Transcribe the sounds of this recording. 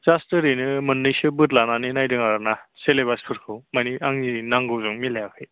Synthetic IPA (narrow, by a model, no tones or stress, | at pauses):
zastɯɾinɯmɯnːɯjsɯbɯtlananinajdɯŋaɾanaseleβajspʰɯɾkʰɯwmaniaŋniinaŋɡɯwzɯŋmilejakʰɯj